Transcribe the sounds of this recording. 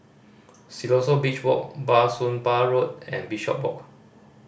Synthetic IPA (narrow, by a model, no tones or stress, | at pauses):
silɔsobit͡ʃwɔ̰k̚basũnbaɹot̚ɛ̰̃nbiʃɔ̰p̚wɔ̰k̚